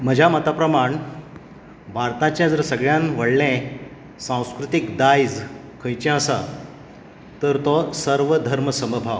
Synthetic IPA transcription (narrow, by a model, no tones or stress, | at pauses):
m̤əd͡ʑʱamət̪apɾəmaɳ | bʱaɾt̪ãt͡ɕjãd͡zəɾsəɡɭjãnʋəɽlɛ̃ | sãw̃skɾut̪ikd̪ajd͡z | kʰə̃jt͡ɕɛ̃əsa̰ | t̪əɾt̪ɔsəɾʋəd̪ʱəɾməsəməbʱaʋ